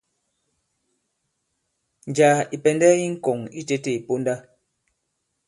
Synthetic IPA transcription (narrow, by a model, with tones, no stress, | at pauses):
n˨d͡ʒaː˨i˨pɛ˨ndɛː˦i˦ŋ̩˦kɔ˨ŋi˦te˦te˦˨i˨po˦nda˦